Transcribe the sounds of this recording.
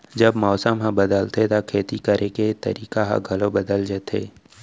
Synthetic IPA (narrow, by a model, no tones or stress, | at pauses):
d͡ʒɐbmɔːsəmɦãbəd̪əlt̪ʰet̪akʰeːt̪ikəɾʔẽket̪ɐ̰ɾiːkaɦa̰ɡʱɐlobɐd̪əld͡ʒet̪ḛː